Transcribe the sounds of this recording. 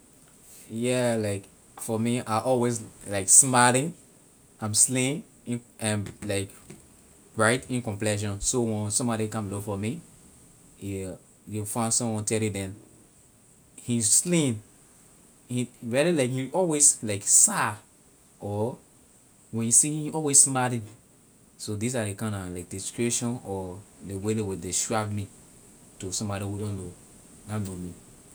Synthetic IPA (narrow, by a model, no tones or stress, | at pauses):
jɛlaɪk | fɔmiaʔɔlwezlaɪksmalɪ̃ŋ | ãɪ̃mslĩn | ĩnãnlaɪk | ɹaɪtĩnkɔ̃mplɛʃ̬ɔ̃nsowɛ̃nsɔ̃mbɔɾikãmlofɔmi | jufãɪ̃ndsɔ̃mwɔ̃ntʰɛljidɛ̃n | hĩslĩn | hĩɹililaɪkhĩɔlweslaɪksa | ɔ | wɛ̃njusihĩɔlwesmadĩ | sodis̬adekãɪ̃ndalaɪk̚diskɹiʃɔ̃nɔdewedewideʃɹavmi | tusɔ̃mbɔɾihudɔ̃nlo | nanomi